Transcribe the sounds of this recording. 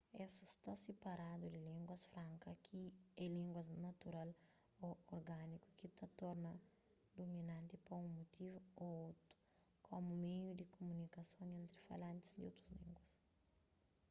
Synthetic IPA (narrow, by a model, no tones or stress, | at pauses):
ɛsɐst̪asepɐɾad̪ud̪ilĩŋɡwɐsfɾãŋkɐkiɛlĩŋɡwɐznɐt̪uɾal | ooɾɡaniku̥kit̪ɐt̪ɔɾnɐ | d̪ominãnt̪ipɐũmot̪ivuoot̪ɾu̥ | kʰomumejud̪ikʰomunikɐsõŋẽnt̪ɾifa̰lãnt̪i̥zd̪iowt̪ɾuzlĩŋɡwɐs